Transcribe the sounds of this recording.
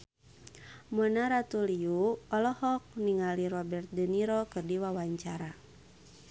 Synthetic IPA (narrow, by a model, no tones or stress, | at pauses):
mənaɾat̪uliuɔlɔhɔk̚niŋaliɾɔbɛrt̪̚dɛniɾɔkɨrdiwawaɲt͡ʃaɾa